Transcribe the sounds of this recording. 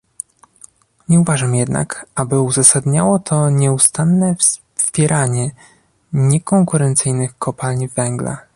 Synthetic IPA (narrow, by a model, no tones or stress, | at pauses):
ɲɛuvaʐamjɛd̪na̰kabɘuzasad̪ɲawɔt̪ʰɔɲɛust̪anːɛfs | pʲjɛɾʔaɲɛ | ɲɛkɔŋkuɾɛnt̪sɘjnɘxkʰɔpalɲvɛŋɡla̰